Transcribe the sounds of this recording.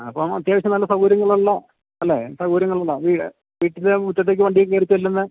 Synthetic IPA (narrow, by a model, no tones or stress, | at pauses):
ɐpːomɐt̪jaːʋɐɕɐmnɐlːɐsɐɣuːɾjɐŋːɐɭuɭːɐ | ɐlːeːsɐɣuːɾjɐŋːɐɭuɭːɐʋiːɽ | ʋiːʈːilemut̪ːɐt̪̬ːeːk̬ːɨʋɐɳɖijekːɨkɐɾit͡ɕːɐilːɐnːɨ